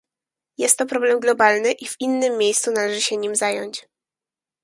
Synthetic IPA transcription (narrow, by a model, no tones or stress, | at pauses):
jɛst̪ːɔpɾɔblɛmɡlɔbalnɘʔiv̥inːɘmːʲjejst̪sunalɛʐɘɕɛɲimzajɔɲt͡ɕ